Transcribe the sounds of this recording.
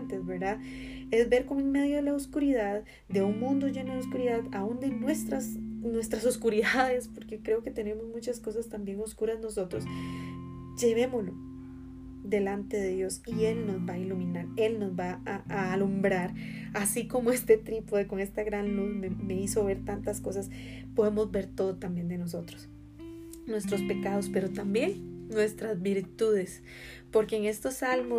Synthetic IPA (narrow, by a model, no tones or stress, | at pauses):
nt̪ezbeɾd̪ae̞zbe̞ɾkomeŋme̞ðjo̞ðelaoskuɾiðað | d̪e̞uŋmũnd̪o̞ʝe̞no̞ðeos̬kuɾiðaðaund̪enwe̞st̪ɾasnwe̞st̪ɾaso̞skuɾiðaðe̞spo̞ɾke̞kɾe̞oke̞t̪e̞ne̞mo̞zmut͡ʃasko̞s̬ast̪ambje̞ŋo̞skuɾazno̞so̞t̪ɾo̞s | d͡ʒe̞β̞e̞molo̞ | d̪e̞lant̪e̞ðe̞ðjo̞sie̞lno̞zbailumĩnaɾe̞lno̞zbaaːlumbɾaɾasiko̞mo̞e̞st̪e̞t̪ɾipoðeko̞ŋe̞st̪aɣɾanluðmeme̞iso̞βe̞ɾt̪ant̪asko̞sas | po̞ðe̞mo̞zbe̞ɾt̪o̞ðot̪ambje̞nd̪e̞no̞s̬o̞t̪ɾos | nwe̞st̪ɾo̞spe̞kaðo̞spe̞ɾo̞t̪ambje̞ŋnwe̞st̪ɾazbiɾt̪uðe̞s | po̞ɾke̞ːŋe̞st̪o̞salmo